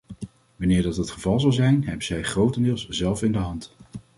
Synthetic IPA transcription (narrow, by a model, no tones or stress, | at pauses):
ʋɑnɪːɹdɑtɦətχəvɑlˠzɑlˠzɛjnɦɛbənzɛjχrowtəndɪːlˠszɛlˠfɪndəɦɑnt